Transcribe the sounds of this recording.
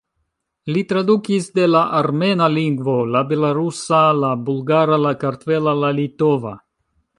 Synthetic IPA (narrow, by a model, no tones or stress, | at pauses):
litɾadukisde̞laʔaɾme̞naliŋɡvo̞labe̞laɾusalabulɡaɾalakaɾtve̞lalalito̞va̰